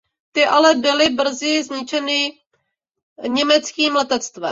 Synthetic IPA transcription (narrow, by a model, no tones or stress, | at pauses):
t̪ɪʔalɛbɪlɪbr̩zɪzɲɪt͡ʃɛnɪ | ɲɛmɛt͡skiːmlɛt̪ɛt̪t͡st̪vɛ̰